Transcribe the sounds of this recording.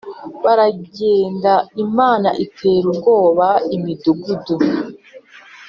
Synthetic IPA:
βaɾaɟeːndaimaːna̰ʔitʰeːɾubɡo̞ːβaimiduɡudu

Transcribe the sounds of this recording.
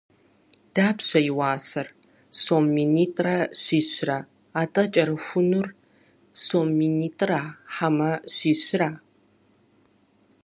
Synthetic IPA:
d̥aːbɕʷɐjɪwaːsɐr | soːmːiːniːtʼraɕʷiːɕʷra | aːtʼɐt͡ʃʼɐɾɨxʷʊnur | soːmːiːniːtʼraħamɐɕʷiːɕɾaː

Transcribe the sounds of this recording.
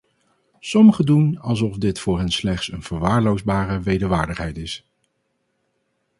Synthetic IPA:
sɔməχədunɑlˠzɔvdɪtfʊːɹɦɛnslɛχtsənv̥əɹʋaːɹlowzbaːrəʋejdəɹʋaːɹdəχɦɛjtɪs

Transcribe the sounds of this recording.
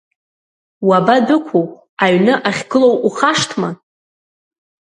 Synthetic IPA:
wabadʊkʷʰoχʷ | aɥnɨʔaχʲɡɨlowuχaʂtʰma

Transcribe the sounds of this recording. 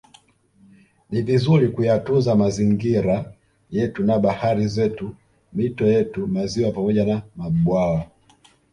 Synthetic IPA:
nivizuɾikujatuzamaziŋɡiɾa | jɛtunaɓahaɾizɛtu | mitɔjɛtumaziwapamɔʄanamaɓwawa

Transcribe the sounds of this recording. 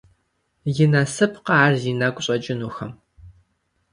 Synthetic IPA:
jɪnɐsɨpʰqɑaːrzinɐkʷʼɕʼɐt͡ʃʼɪnuxɐm

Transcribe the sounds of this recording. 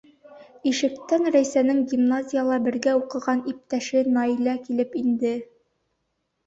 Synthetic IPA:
iʃɘ̆kt̪ænɾæjsænɘŋɡʲimnazʲijəlˠɑbɘ̆ɾɡæuqɤ̆ʁɑnip̚t̪æʃɘnɑilækilɘpind̪ɘ

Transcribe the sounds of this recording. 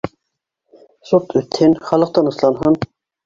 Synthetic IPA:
sut̪ʰøt̪ʰhinχɑlˠɤ̆q̚t̪ɑnɯslˠɑnɦɤn

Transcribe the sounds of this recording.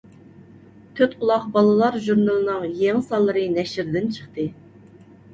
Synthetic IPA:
t̪ʰøt̪ulˠɑχbɑlˠɨlˠɑɾʒuɾnɨlˠɨnɨŋjeŋsɑlˠːɨɾɨnɛʃɪɾd̪ɪnt͡ʃʰə̥χt̪ɨ

